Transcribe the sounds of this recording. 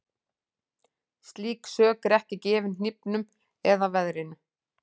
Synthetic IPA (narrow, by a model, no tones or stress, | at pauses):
st̪liːksœːkɾɛhcɪcɛːvɪnn̥ipnʏm | ɛðavɛðɾɪnʏ